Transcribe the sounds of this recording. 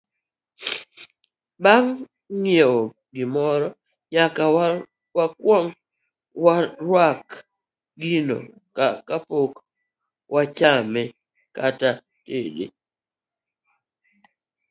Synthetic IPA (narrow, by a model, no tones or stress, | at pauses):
baŋː | jeo | ɡɪmɔɾɔ | ɲaka | wakwɔŋ | waɾwak | ɡinɔ̰ | kakapok | wʔat͡ʃamɛ | kata | tedḛ